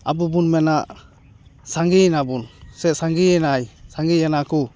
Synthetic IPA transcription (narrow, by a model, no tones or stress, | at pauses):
a̰bubunmɛnaʔ | saŋɡinabunsɛsaŋɡiɛnajsaŋɡijanaku